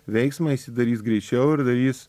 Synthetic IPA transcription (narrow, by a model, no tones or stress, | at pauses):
ʋʲɛɪksmɐisʲɪd̪ɐɾʲiːsɡɾʲɛɪt͡ʃʲɛʊɪɾd̪ɐɾʲiːs